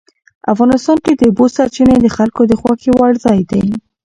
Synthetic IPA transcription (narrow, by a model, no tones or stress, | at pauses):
a̰fɣɑnɪst̪ɑnked̪əʊbosaɾt͡ʃined̪əxalkod̪əxwɑxewaɽzɑjd̪aj